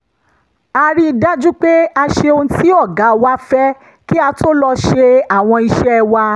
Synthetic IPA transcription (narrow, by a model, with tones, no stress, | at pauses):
a˧ɾi˦i˧da˦d͡ʒu˦k͡pe˦a˧ʃe˧õ˧˦tʰi˦ɔ˦˨ɡa˨˦wa˦fɛ˦ | ki˦a˧tʰo˦lɔ˧ʃe˧a˨w̃ɔ̃˧i˧ʃɛ˦˧wa˧